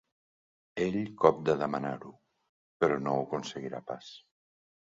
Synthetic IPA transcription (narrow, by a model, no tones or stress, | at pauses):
eʎkɔp̚d̪əðəmənaɾu | pəɾɔnoukunsəɣiɾa̰pas